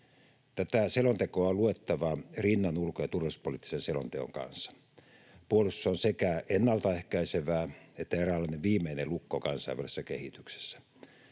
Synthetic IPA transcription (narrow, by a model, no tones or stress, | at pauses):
t̪æt̪æselont̪ekoɑoluet̪ːɑʋɑrinːɑnulkojɑt̪urʋespolit̪ːi̥senselo̰nt̪eo̰ŋkɑ̰nsːɑ̥ | puolussːɑonsekæenːɑlt̪ɑehkæiseʋæːet̪ːæerælːɑˑineʋʋiːmeinelukːokɑnsɑiʋæresːækehit̪y̥kse̥sːæ̥